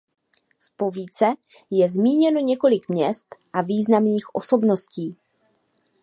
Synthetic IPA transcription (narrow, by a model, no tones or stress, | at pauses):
spo̞viːt͡sɛ | jɛzmiːɲɛno̞ɲɛko̞lɪkmɲɛst̪ʔaviːznamniːxʔo̞so̞bno̞sciː